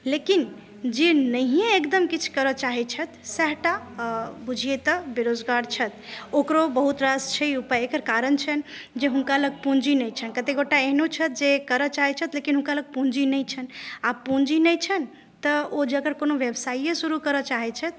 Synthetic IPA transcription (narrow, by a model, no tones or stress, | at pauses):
lekin | d͡ʒenəɦieekd̪əmkit͡ʃʰkəɾət͡ʃaɦɛt͡ʃʰət̪ʰsɛɦʈabud͡ʒʱijet̪əbeɾod͡ʒɡaɾt͡ʃʰət̪okɾobəɦut̪ɾast͡ʃʰəiupaekəɾkaɾənt͡ʃʰən | d͡ʒeɦunkaləɡ̚pũnd͡ʒinəjt͡ʃʰənkət̪eɡoʈaeɦnot͡ʃʰət̪̚d͡ʒekəɾət͡ʃaɦɛt͡ʃʰət̪lekinɦũnkaləɡ̚pũnd͡ʒinəjt͡ʃʰənapũnd͡ʒinət͡ʃʰən | t̪əod͡ʒeəkəɾkonoʋjebsaijəsuɾukəɾət͡ʃaɦɛt͡ʃʰət̪